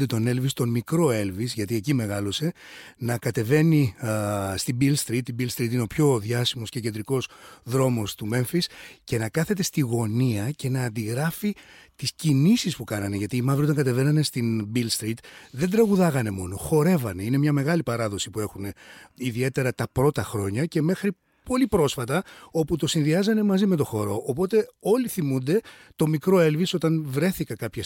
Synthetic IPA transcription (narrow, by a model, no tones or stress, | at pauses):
d̪et̪o̞ne̞lvist̪o̞mikɾo̞e̞lvizʝɐt̪ie̞cime̞ɣɐlo̞se̞ | nɐkɐt̪e̞ve̞ni | st̪ibilst̪ɾit̪ːibilst̪ɾit̪̬ineo̞pço̞ðʝɐsimo̞scecend̪ɾiko̞sðɾo̞mo̞st̪ume̞ɱfisce̞nɐkɐθe̞t̪e̞st̪iɣo̞niɐce̞nɐːnd̪iɣɾɐfit̪iscinisispukɐnɐne̞ʝɐt̪iːmɐvɾiot̪ɐŋɡɐt̪̬e̞ve̞nɐne̞st̪inbilst̪ɾit̪ðend̪ɾɐɣuðɐɣɐne̞mo̞̰no̞xo̞ɾe̞vɐne̞ine̞mɲɐme̞ɣɐlipɐɾɐðo̞si̥pue̞xune̞iðie̞t̪e̞ɾɐt̪ɐpɾo̞t̪ɐxɾo̞ɲɐce̞me̞xɾi | po̞lipɾo̞sfɐt̪ɐo̞put̪o̞sinðiɐzɐne̞mɐzime̞t̪o̞xo̞ɾo̞ʔːpo̞t̪e̞o̞liθimund̪e̞t̪o̞mikɾo̞e̞lviso̞t̪ɐnvɾe̞θikɐkɐpçɐs